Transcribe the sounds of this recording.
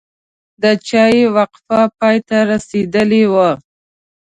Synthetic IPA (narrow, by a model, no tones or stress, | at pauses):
d̪ət͡ʃɑjewaqfapɑjt̪aɾased̪əlewa